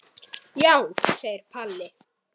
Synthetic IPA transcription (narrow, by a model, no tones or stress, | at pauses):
jawsejɾ̥pʰalːɪ